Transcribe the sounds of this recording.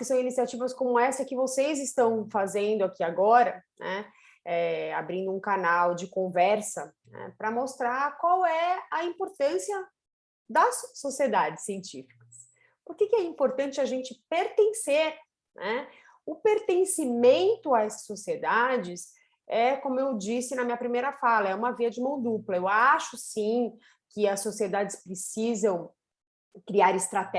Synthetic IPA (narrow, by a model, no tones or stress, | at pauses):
kɪsɐ̃w̃inisiat͡ʃivɐskõmʊɛsɐkɪvosejzɪst̪ɐ̃w̃fazẽnd̪ʊakiaɡɔɾɐnʔɛ | ɛabɾĩnd̪ʊũkanawd͡ʒɪkõvɛɾsɐnɛ̰pɾɐmost̪ɾakwawɛɐĩpoɾt̪ɐ̃siɐ | d̪ɐsːosied̪ad͡ʒɪsːiẽnt͡ʃifi̥kɐs | pʊɾkɪkɪɛĩmpoɾt̪ɐ̃t͡ʃɪaʒẽnt͡ʃɪpeɾt̪ẽseɾ | nʔɛ | ʊpeɾt̪ẽsimẽnt̪ʊaɛsɐ̥sːosied̪ad͡ʒɪs | ɛkõmʊewd͡ʒisɪnɐmĩɲɐpɾimejɾɐfalɐɛũmɐviɐd͡ʒɪmɐ̃w̃d̪uplɐewaʃʊsĩ | kɪɐsːosied̪ad͡ʒɪspɾɪsizɐ̃w̃ | kɾiaɾɪst̪ɾat̪ɛ